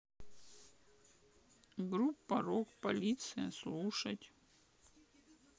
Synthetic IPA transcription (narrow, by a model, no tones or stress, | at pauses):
ɡɾupːɐɾokpɐlʲit̪sɨjə̰slˠuʂətʲ